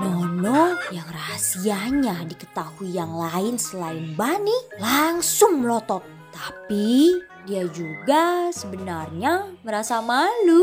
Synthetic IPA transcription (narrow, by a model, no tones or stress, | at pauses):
nɔnɔjaŋrasiaɲadikət̪ahuijaŋlaɪnsəlaɪnbanilaŋsʊŋmlɔt̪ɔt̪̚ːapi | diad͡ʒuɡasəbənarɲaməɾasamalu